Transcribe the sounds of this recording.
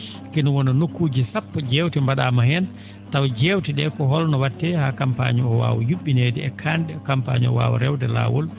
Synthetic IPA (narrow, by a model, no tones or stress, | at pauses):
kinɔwɔnɔnokːuːd͡ʒisapːɔd͡ʒeːwtimbaɗamahɛn | tawd͡ʒeːwtiɗɛkɔɦɔlnɔwatːɛhaːkampa̰ɲiɔwa̰ːwɔ̰juɓːineːdɛɛkʰandɛkampa̰ɲɔ̰wa̰ːwɔ̰ɾɛwdɛla̰ːwɔ̰l